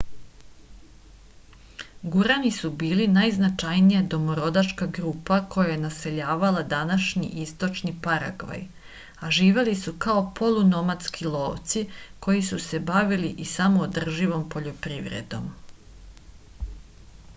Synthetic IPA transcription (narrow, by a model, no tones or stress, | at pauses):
ɡuɾanisubiːlinajznat͡ʃajnijad̪o̞moɾo̞d̪at͡ʃkaɡɾupako̞jajenase̞ʎaːʋalad̪anaʃɲḭʔist̪o̞t͡ʃnipaɾa̰ɡʋa̰j | aʒiːʋe̞lisukao̞pʰo̞luno̞mat̪skʰilˠo̞ːʋt̪siko̞jisuse̞baʋiliʔisamoːd̪r̩ʒiʋo̞mpo̞ʎo̞pɾiːʋɾḛd̪o̞̰m